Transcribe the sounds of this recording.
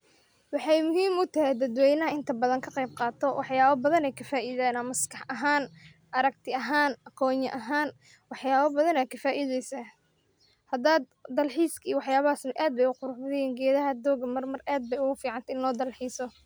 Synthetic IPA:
wɑħɑjmʊɦiːmʊt̪ʰɐɦɛd̪ɐd̪wɛjnɐɦɐɪnt̪ʰɐbɐðɐŋkʰɐqɛjb̚qɑːt̪ʰɔwʔɑħjaːβɐbɐðɐnɛjkʰɐfaːʔiðaːnɐmɐskʰɑħʔɐɦaːn | ʔɐɾɐɡt̪ʰɪɐɦaːnɐkʰɔːɲɐʔɐɦaːn | wɑħjaːβɐbɐðɐnɛjkʰɐfaːʔɪðɛjsaː | hɐd̪aːd̪ːɐlħiːskʰiːwɑħjaːβɐɦaːsnɐʔaːd̪̚bɛjʊqʊɾʊħbɐðɪjɛːŋɡɛːðɐɦɐd̪ɔːɡmɐrmɐraːd̪̚bɛjʊɣʊfiːʕɑnt̪ʰɐɪnlɔːd̪ɐlħiːsɔ

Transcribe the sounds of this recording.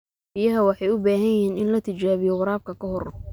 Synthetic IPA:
bijɐɦɐwɑħɑjʊbaːɦɐnjɪhiːnɪnlɐt̪ʰɪt͡ʃaːβɪjɔwɑɾaːb̚kʰɐkʰɐɦɔr

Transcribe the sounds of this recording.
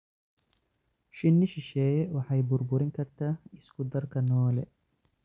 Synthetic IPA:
ʃɪnːɪʃɪʃɛːjɛwɑħɑjbʊɾbʊɾɪŋkʰɐrt̪ʰaːɪskʰʊd̪ɐrkʰɐnɔːlɛ̰

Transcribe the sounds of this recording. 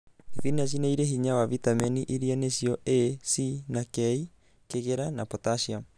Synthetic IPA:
vinas̬inaiɾeɦiɲawavitamɛniʔiɾianesiɔesinakɛi | keɣeɾanapɔtaʃiam

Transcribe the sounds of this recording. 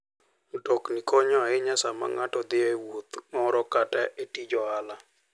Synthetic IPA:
dɔknikɔɲɔɪɲasama̰ŋatɔd̪ɪewot̪mɔɾɔkatɛʔetid͡ʒɔala

